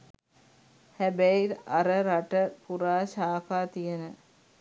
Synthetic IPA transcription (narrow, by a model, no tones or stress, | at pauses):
hæbæiɾaɾəɾaʈəpuɾaːʃaːkaːt̪ijənə